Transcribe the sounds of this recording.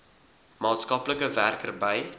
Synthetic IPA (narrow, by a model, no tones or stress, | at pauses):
mɑːtskɐpləkəværkərbəj